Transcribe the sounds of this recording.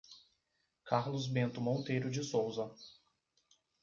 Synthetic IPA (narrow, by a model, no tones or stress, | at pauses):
kʰaɾlʊzbẽnt̪ʊmõnt̪ejɾʊd͡ʒɪsowzɐ